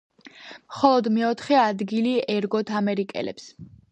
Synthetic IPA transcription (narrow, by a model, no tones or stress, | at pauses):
mχɔlˠɔd̪mɛɔt̪ʰχɛad̪ɡiliɛɾɡɔt̪ʰamɛɾikʼɛ̰lɛ̰ps